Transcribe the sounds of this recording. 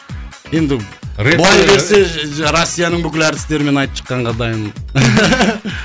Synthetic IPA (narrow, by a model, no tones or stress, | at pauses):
je̞nd̪ɪbʊlˠɑjbe̞ɾse̞ɾosʲːijanəɴbʏkʲɪlæɾd̪ɪ̥st̪e̞ɾɪme̞nɑjt̪əpʃʰə̥qːɑɴʁɑd̪ɑjən